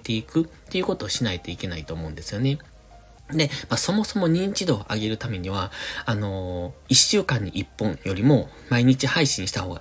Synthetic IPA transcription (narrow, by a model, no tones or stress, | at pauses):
t̪e̞ikɯ̟t̪ːe̞iɯ̟ːko̞t̪o̞ːɕinait̪o̞ike̞nait̪o̞ːmo̞ɯ̃nd̪e̞sɨjo̞ne̞ | d̪e̞maso̞mo̞so̞mo̞ɲ̟ĩɲ̟t͡ɕid̪o̞ːʔa̰ɡe̞ɾɯ̟t̪ame̞ɲ̟iβ̞aano̞iɕɨːkãɲ̟ːiʔipːõ̞jo̞ɾʲimo̞ | maiɲ̟it͡ɕihaiɕĩɰ̃ɕi̥t̪aho̞ːɡa̰